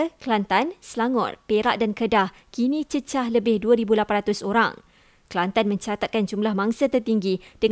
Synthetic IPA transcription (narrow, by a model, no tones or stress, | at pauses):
klant̪ansəlaŋɔ̰t̪peɾaʔdankədah | kinĩt͡ʃət͡ʃahləbɪhduəɾibulapanɾat̪ʊsoɾa̰ŋ | klant̪anmə̃ɲt͡ʃat̪at̪̚kand͡ʒumblahmãŋsat̪ərt̪iŋɡid̥əŋ